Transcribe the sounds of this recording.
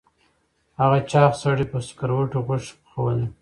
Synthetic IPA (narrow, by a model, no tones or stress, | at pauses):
haɣat͡ʃɑːxsaɽipəsʊ̥kaɾwəʈoɣʊʂxawəl